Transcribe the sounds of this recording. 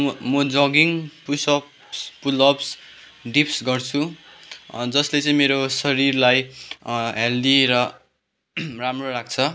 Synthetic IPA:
mʌd͡zʌɡiŋpusʌp | spulʌps | ɖipsɡʌrt͡sʰu | d͡zʌslet͡sʌ̃ĩmeɾosʌɾirlaj | ɦeld̪iɾʌ | ramroɾak̚ʰt͡sʰʌ

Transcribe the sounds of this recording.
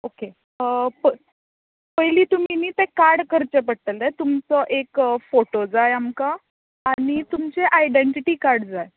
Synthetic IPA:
oke | pə | pəjliːt̪um̤iniːt̪ekaɾɽkəɾt͡ɕəp̬əɽt̪əlet̪umt͡səʔekfoʈod͡zaeamkaː | ɽ̃it̪umt͡seʔajɖeɳʈiʈiːkaɾɽd͡zaj

